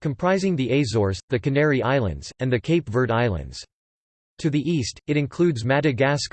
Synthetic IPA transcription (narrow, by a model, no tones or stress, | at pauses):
kʰɨ̃mpʰɹ̥aɪzɪ̃ŋðiʔeɪzɔɹsðɨkɨnɛɹiʔaɪlˠɨ̰̃ndz̥ɨ̃nðɨkʰeɪpvə˞ɾaɪlˠə̰̃ndz̥ | tʰɨðiʔistɨɾɨ̃nkʰl̥ʉdzmæɾɨɡæsk